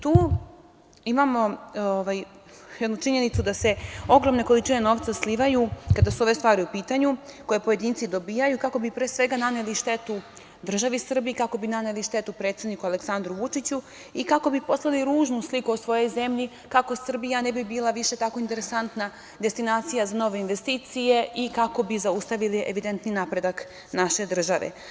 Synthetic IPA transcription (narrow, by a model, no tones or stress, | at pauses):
t̪uː | imamo̞oʋaj | jɛd̪nut͡ʂiɲe̞nit̪sud̪ase̞o̞ɡɾo̞mne̞ko̞lit͡ʂine̞no̞ːʋt̪sasliʋajukad̪asuo̞ʋe̞st̪ʋaːɾiupiːt̪aɲuko̞jepo̞je̞d̪iːnt̪sid̪o̞bijajukako̞bipɾesʋe̞ɡananeliʃt̪e̞t̪u | d̪r̩ʒaʋisr̩biikako̞binaneliʃt̪e̞t̪upɾet̪sed̪nikuale̞ksand̪ɾuʋut͡ʂit͡ɕu | ikako̞bipo̞slˠaliɾuːʒnuslikuo̞sʋo̞jo̞jze̞mʎi | kako̞sr̩bijanebibiːlˠaʋiʃe̞t̪ako̞int̪e̞ɾesant̪na | d̪e̞st̪inaːt̪sijazano̞ʋe̞inʋest̪iːt̪sije̞ʔikako̞bizaust̪aʋiliʔeʋid̪e̞nt̪ninapɾe̞d̪ak | naʃe̞d̪r̩ʒaʋḛ